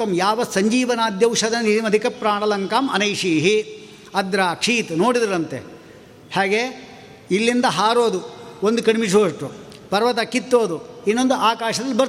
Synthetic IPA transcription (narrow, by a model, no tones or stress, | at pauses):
ɐmjaːʋɐsɐɲd͡ʒiːʋɐnaːd̪jɐwʃɐd̪ɐnnit̪imɐd̪ʱikɐpɾaːɳɐlɐŋkaːmɐ̰nɐjʂiːɦi | ɐd̪ɾaːkʂiːt̪noːɽid̪iɾɐnt̪ḛ | haːɡe | ilːind̪ɐɦaːɾoːd̪uond̪ukɐɽimiʂoːʂʈu | pɐɾɐʋɐt̪ɐkːit̪ːoːd̪uinːond̪uaːkaːʂɐd̪ɐlːibɐɾt̪